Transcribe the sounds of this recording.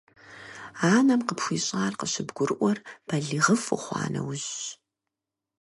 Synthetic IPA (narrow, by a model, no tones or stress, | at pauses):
aːnɐmqəpxʷiːɕʼaːrqəɕɪbɡʷʊrʔʷɔrb̥ɐɮiːʁɐfʊ̰χʷɑ̰ːnɐ̰wʊʑ